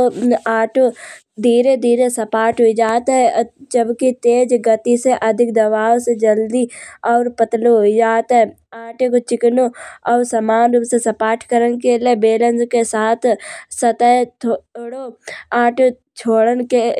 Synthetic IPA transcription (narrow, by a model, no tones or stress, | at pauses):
oaːʈo | d̪ʱiːɾed̪ʱiːɾesɐpaːɾʈɦoid͡ʒaːt̪ɦɛd͡ʒəbkit̪eːd͡ʒɡɐt̪iseʔɐd̪ʱɪkd̪ɐʋaːʋsed͡ʒɐld̪iɔːɾpət̪loɦoid͡ʒaːt̪ɦɛ | aːʈekot͡ʃɪknoɔːɾsɐmaːnɾupsesɐpaːʈʰkəɾənkelebeːlə̃nd͡ʒkesaːt̪ʰsɐt̪əjt̪ʰoːɽoaːʈo | t͡ʃʰoːɽənke